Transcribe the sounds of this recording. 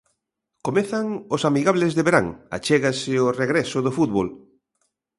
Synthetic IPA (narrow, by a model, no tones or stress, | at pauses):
komeθaŋosamiɣaβlezðeβeɾaŋa̰t͡ʃeɣasɪoreɣɾɛsʊðʊfut̪̚βol